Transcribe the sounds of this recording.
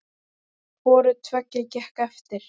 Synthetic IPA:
vɔːɾʏt̪ʰvœcːɪcɛhkɛft̪ɪɾ̥

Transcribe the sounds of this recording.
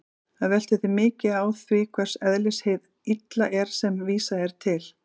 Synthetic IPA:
θaðvɛl̥t̪ɪθɪmɪːcɪðaːwθvɪkʰvɛr̥sɛðlɪshejð | it̪laʔɛɾ̥sɛmviːsaɛɾ̥t̪ʰɪl

